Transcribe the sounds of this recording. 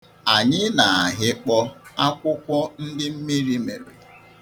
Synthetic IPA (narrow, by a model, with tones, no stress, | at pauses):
a˨ɲɪ˦na˨a˨ɦɪ˦k͡pɔ˦a˦kʷʊ˦kʷʊ˦n̩˦dɪ˦m̩˦mi˦ɾi˦me˨ɾe˨